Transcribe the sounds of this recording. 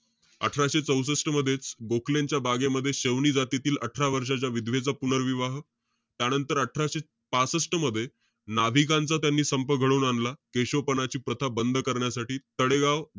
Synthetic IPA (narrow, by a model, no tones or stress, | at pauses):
ə̰ʈʰɾaɕet͡səws̬əsʈəməd̪ʱːjet͡sɡokʰleɲt͡ɕjabaɡeməd̪ʱːjeɕeʋɳiːd͡zat̪it̪iːləʈʰɾaʋəɾʂat͡ɕjaʋid̪ʱʋet͡sapunəɾʋiʋaɦ | t̪janənt̪əɾəʈʰɾaɕe | pasəsʈəməd̪ʱːje | nabʱikãnt͡sat̪janːiːsəmpəɡʱəɭouːnanlakeɕopənat͡ɕiːpɾət̪ʰabənd̪ʱkəɾɳjasaʈiːt̪əɽeɡaʋ